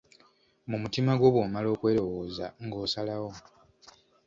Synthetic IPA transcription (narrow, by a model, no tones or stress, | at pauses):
mumutimaɡwo̞ːβwoːmalo̞ːkwe̞ːɾo̞wo̞ːza̰ŋɡo̞ːsalawo̞